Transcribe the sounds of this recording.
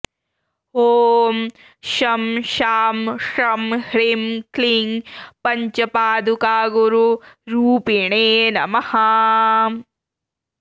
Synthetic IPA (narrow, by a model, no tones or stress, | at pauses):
hoːm | ʃɐmʃaːmʂɐmhɾimkliŋɡpɐɲt͡ʃɐpaːd̪ukaːɡuɾuɾuːpiɳeːnɐ̰mɐhɐ